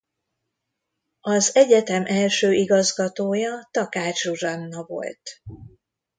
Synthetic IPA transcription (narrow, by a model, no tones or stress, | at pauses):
ɒzɛɟɛt̪ɛmʔɛlʃøːʔiɡɒzɡɒt̪oːjɒt̪ɒkaːt͡ʃurɒnːɒvo̞̰lt̪